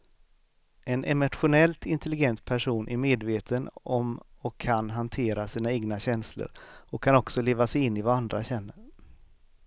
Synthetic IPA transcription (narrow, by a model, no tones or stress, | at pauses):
ɛnʔɛmʊt̪ɧʊnɛlt̪ɪnt̪ʰɛlɪɡɛnt̪̚pʰæʂuːnʔæɾmeːd̪veːt̪ʰənɔmɔkʰːanɦant̪ʰeːɾasiːnaeːɡnaɕɛnslə̰ɾɔkʰːanɔksɔleːvasɛjɪnːɪvaand̪ɾaɕɛnːəɾ